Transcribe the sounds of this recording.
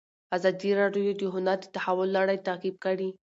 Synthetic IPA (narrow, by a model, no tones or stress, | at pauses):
azɑd̪iɾɑɖjojod̪əɦʊnaɾd̪ət̪ahawʊlːɑɽajt̪akib̚kaɽi